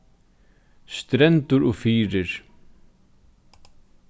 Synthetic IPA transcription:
st̪ɾɛnt̪ʊɾɔɣfiːɾɪɾ̥

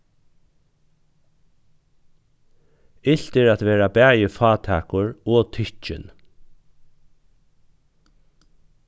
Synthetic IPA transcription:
ɪɬt̪ɪɾæt̪ʋeːɾabæːjəfɑːt̪ʰæːkʊɹɔːt̪ʰʏt͡ʃɪ̰n

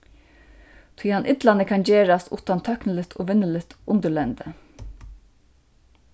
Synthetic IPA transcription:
t̪ʰiːhanʔɪt̪lanəkʰand͡ʒeːɹast̪ʰṵːt̪ant̪ʰːœknəlɪt̪ʰo̰ːʋɪnːəlɪt̪ʊnt̪əlɛnd̪ə

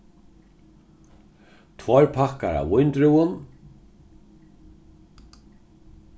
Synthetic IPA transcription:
t̪ʰvɔɹpʰakaɾa̰vʊjnt̪ɾuwʊn

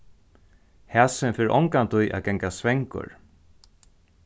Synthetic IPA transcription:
hæːsɪnfɪːɾʔɔŋkant̪ʰʊjʔæ̰ːðɡɛŋkasvɛŋkʊ̰ɹ

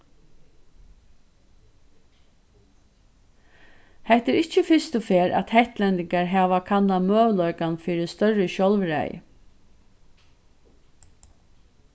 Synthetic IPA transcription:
hɛht̪ɛɾɪt͡ʃːəfɪst̪ʊfeːɾʔæ̰t̪hɛht̪lɛnt̪ɪŋkaɹɦæːʋakʰanːamøːʋlɔʏkanfiːɾɪst̪œɹəɕɔlʋɾɛ̰j̰

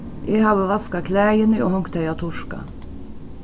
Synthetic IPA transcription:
ʔeːhɑːʋəʋɑskɑkʰlæːjənəʔohɔŋkt̪ʰæɪɑt̪ʰʊʂkɑ̰

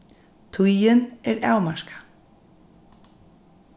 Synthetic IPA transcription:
t̪ʰujɪnɛɾa̰ːwmaʃkḁ

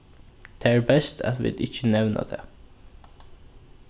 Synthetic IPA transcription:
d̪̥eæːɹbɛst̪ʰæ̰t̪ʋɪ̰d̪ɪçənɛʋnə̰d̪ḛ

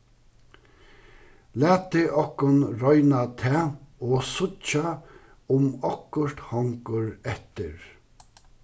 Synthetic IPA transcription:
læːt̪ʰːɪʔɔkːʊnɾɔʏnat̪ʰɛːoːsʊt͡ʃa | ʊmɔkːʊɾ̥t̪hɔŋkʊɹɛht̪ɪ̰ɹ

